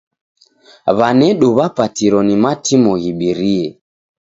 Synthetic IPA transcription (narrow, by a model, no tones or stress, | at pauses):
βanɛɗɔβapatiɾɔnimatʰimɔɣiɓiɾiɛ